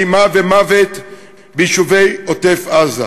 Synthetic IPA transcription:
jmavemavet | biʃuvejotefaza̰

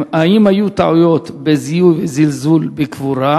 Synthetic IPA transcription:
haʔimhajut̪aʕujo̞t̪bezijujvezilzulbekvuɾa

